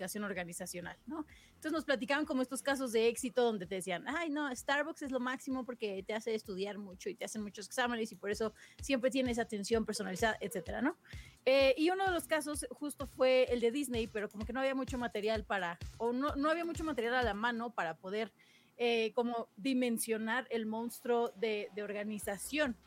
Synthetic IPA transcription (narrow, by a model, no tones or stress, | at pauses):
kasjono̞ɾɣanisasjona̰lno̞nosenos̬plat̪ikaβoŋko̞moest̪o̞skas̬o̞zðe̞e̞ksit̪o̞ðond̪e̞t̪e̞ðesianajno̞est̪aɾβokse̞zlo̞maksimo̞po̞ɾke̞t̪e̞ase̞ːst̪uðjaɾmut͡ʃo̞it̪e̞ase̞nmut͡ʃo̞se̞ksamẽne̞sipo̞ɾe̞so̞sje̞mpɾe̞t̪je̞nees̬aːt̪e̞nsjo̞mpe̞ɾso̞nalisaðaʔet̪se̞t̪e̞ɾa̰no̞eiuno̞ð̞e̞lo̞skaso̞sxust̪o̞fwe̞ːld̪e̞ðizne̞jpe̞ɾo̞ko̞mo̞keno̞aβiamut͡ʃo̞mat̪e̞ɾjalpaɾaonono̞aβiamut͡ʃo̞mat̪e̞ɾjalalamãno̞paɾapo̞ð̞e̞ɾ | eko̞mo̞ðimẽ̞nsjo̞naɾe̞lmõ̞nst̪ɾo̞ðeðeo̞ɾɣanisasjo̞n